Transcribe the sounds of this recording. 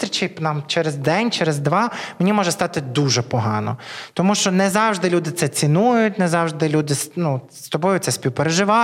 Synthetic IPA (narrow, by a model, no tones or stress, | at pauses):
t̪ɾʲit͡ʃɐjpnɑmt͡ʃɛɾezd̪ɛnʲt͡ʃɛɾezd̪ʋɑmenʲimɔʒɛst̪ɑt̪ɪd̪uʒɛpɔɦɑ̰nɔ̰t̪ɔmuʃt͡ʃɔnɛzɑwʒd̪ɪlʲud̪ɪt̪sɛt͡sʲinujʊtʲnɛzɑwʒd̪ɪlʲud̪ɪsnu | st̪ɔbɔjʊt̪sɛsʲpʲiwpeɾeʒɪʋɑ